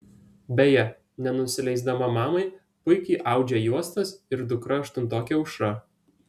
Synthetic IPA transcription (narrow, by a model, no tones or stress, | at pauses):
bʲɛjɛ | nʲɛnʊsʲɪlʲɛɪzd̪ɐmɐmɑːmɐɪ | pʊɪkʲɛɪʔɑˑʊd͡ʒʲɛjuɔst̪ɐsɪɾd̪ʊkɾɐːʃt̪ʊnt̪oːkʲɛʊʃɾɐ